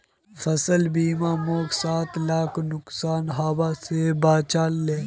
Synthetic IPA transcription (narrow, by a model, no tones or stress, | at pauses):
fɐsəlbiːmaːmoːksaːt̪laːkʰnʊksaːnɦaːbasebaːt͡ʃaːlːeː